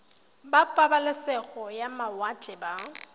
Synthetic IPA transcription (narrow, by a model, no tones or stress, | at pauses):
bapʼabalɪsɛɣɔjamawat͡ɬʼɛba